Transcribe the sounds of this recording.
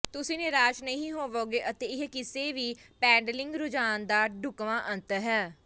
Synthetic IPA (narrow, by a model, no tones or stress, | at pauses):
t̪ʊsĩːnɪɾaːʃnəɦĩːɦoːʋoːɡeːʔət̪eːɪɦkɪseːʋiːpɛ̃ːɳɖəlɪ̃ŋɡɾʊd͡ʒaːnd̪aːɖʊkʋãːʔə̃nt̪ɦɛː